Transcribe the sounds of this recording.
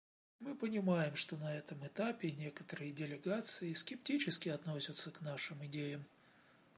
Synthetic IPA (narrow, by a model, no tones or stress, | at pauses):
mɨpənʲɪmajɪmʂt̪o̞nɐɛt̪əmɨt̪apʲɪnʲe̞kə̥t̪əɾɨjədʲɪlʲɪɡat̪sɨɪskʲɪp̚tʲit͡ɕɪskʲɪɐt̪nosʲət̪səknaʂɨmɪdʲejəm